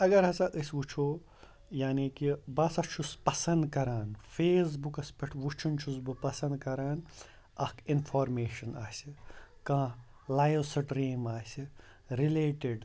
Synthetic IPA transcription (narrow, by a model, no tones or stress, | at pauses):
ɐɡɐɾɦɐsɐʔ̪ɐsʲʋut͡ʃʰoː | jaːnikibɐːsɐt͡ʃʰuspɐsɐ̃nd̪kɐɾaːnfeːs̬bukɐspɐʈʰʋut͡ʃʰunt͡ʃʰusbɨpɐsɐnd̪̚kɐɾaːn | ɐkʰinfʰoːɾmeːʃɐnaːsʲikãː | laːjʋsɐɖɾiːmaːsʲi | ɾileːʈiɖ